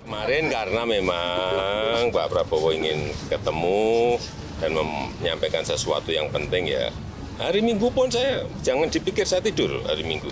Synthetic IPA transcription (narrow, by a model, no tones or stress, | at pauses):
kəmaɾɪnkarnamema | ŋbapɾabɔwɔiŋɪnkət̪əmu | d̥anməmɲampakansəsua̰t̪ujaŋpənt̪ɪŋja̰ | haɾimiŋɡupʊnsajḁd͡ʒ̥aŋand̪̥ipikɪrsajat̪idʊrha̰ɾimiŋɡu